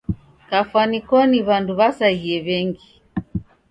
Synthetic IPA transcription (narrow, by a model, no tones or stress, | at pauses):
kafwanikɔniβanduβasahiɛβɛŋɡi